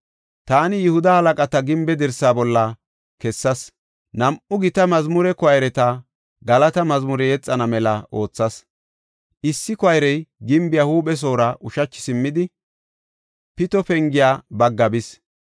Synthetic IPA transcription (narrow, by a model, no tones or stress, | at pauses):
t̪aːnɪjɪhʊd̪ɐhɐlɐkʼɐt̪ɐɡɪmbɛd̪ɛɾsːaːbɔlːɐ | kɛsːɐs | nɐmʔʊɡɪt̪ɐmɐzmʊɾɛkɔɐjɾɛt̪ɐ | ɡɐlɐt̪ɐmɐzmʊɾɛjɛt͡sʼːɐnɐmɛlɐʔo̞ːt͡sːɐs | ʔɪsːɪkɔɐjɾɛjɡɪmbɪjahuːɓɛs̬o̞ːɾɐʔʊʃɐt͡ʃːɪ̥sɪmːɪd̪ɪ | pɪt̪ɔpɛŋɡɪjaːbɐɡːɐbɪs